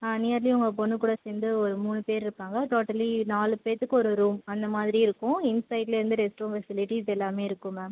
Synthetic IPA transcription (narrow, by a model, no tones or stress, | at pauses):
anɪjaːɾlij̃ʊŋɡɐpɔnːɯkuːɽɐsend̪ɯɔɾɯmuːnɯpeːɾɪɾɯpːaːŋɡɐʈoːʈːɐlinaːlɯpeːɾt̪ːɯkːɯɔɾɯɾuːmɐnd̪ɐmaːðɪɾiɪɾɯkːʊ̃ɪnsɐɪʈleɾɯnd̪ɯɾɛsʈɾoːfɛsɪlɪʈisɛlːaːmeːɪɾɯkːɯ̃mɐ